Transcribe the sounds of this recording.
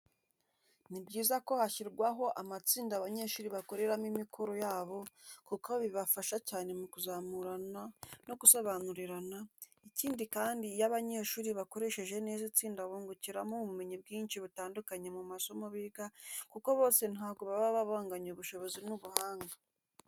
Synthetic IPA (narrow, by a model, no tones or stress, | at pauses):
nibɟiːzako̞haçiɾɡwaɦo̞ʔamat͡siːndaβaɲe̞ːʃuːɾiβako̞ɾe̞ɾamimikʰo̞ɾo̞jaːβo̞kukoβiβafaʃacaːne̞mukuzaːmuɾanano̞ɡuso̞βanuɾiɾana | iciːndikaːndijaβaɲe̞ʃuːɾiβako̞ɾe̞ʃe̞ʒe̞ne̞ːzit͡siːndaβuːŋɡuciɾamuβume̞ɲibɡiːnʃiβutaːndukaɲe̞mumaso̞moβiɡakuko̞βo̞ːse̞nhaːɡoβaβaβaβaːŋɡaɲuβuʃo̞βo̞zinuβuhaːŋɡa